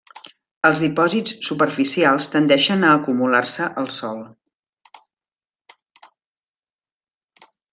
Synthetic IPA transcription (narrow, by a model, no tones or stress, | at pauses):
əlˠzðipɔzitt͡ssupərfisialˠst̪ənd̪ɛʃənəːkumularsəʔəlˠsɔlˠ